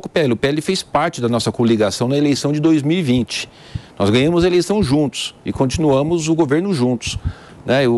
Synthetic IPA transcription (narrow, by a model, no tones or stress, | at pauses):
okʊpeɛlɪʊpeɛlɪfespaɾt͡ʃɪd̪ɐnɔsɐkoliɡasɐ̃w̃nɐelejsɐ̃w̃d͡ʒɪd̪ojzmiwivĩnt͡ʃɪ̥ | nɔzɡɐ̃ɲɐ̃mʊzɐelejsɐ̃w̃ʒũnt̪ʊ̥sɪkõnt͡ʃinuɐ̃mʊzʊɡoveɾnʊʒũnt̪ʊ̥s | nɛ